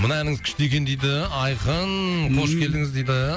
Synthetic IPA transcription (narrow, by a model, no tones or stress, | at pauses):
mənɑænɪŋzkʲʰɪ̥ʃt̪e̞kʲe̞nd̪ejd̪ɪɑjqənqʰo̞ʃkʲe̞ld̪ɪŋɪzd̪ejd̪ɪ